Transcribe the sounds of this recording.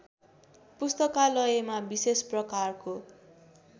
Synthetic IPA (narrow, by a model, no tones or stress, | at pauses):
pust̪ʌkalʌjemabisesprʌkarko